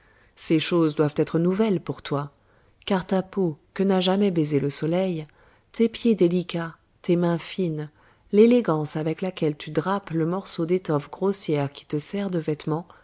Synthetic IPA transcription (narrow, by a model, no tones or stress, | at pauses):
seʃozd̪wavt̪ɛt̪χənuvɛlpuʁt̪wa | kaʁt̪apokənaʒamɛbezeləsɔlɛj | t̪epjed̪elikʲa | t̪emɛ̃fin | leleɡɑ̃savɛklakʲɛlt̪ʰyd̪ʁapləmɔʁsod̪et̪ɔfɡʁosjɛʁkʲi̥t̪əsɛʁd̪əvɛt̪mɑ̃